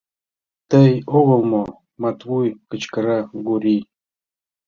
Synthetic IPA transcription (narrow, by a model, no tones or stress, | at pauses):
t̪əjoɣɤ̆lˠmo | mɑt̪wujkə̆t͡ɕkə̆ɾaɡuɾʲi